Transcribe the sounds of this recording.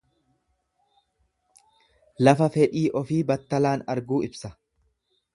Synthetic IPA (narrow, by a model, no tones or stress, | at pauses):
lɐfɐfɛᶑiːʔɔfiːbɐt̪ːɐlaːnɐɾɡuːɪbsɐ